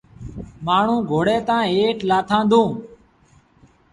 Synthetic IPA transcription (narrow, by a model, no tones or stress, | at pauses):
maːɳ̤ũːɡʱoːɽeːt̪ãːeːʈlaːt̪ʰãːnd̪õː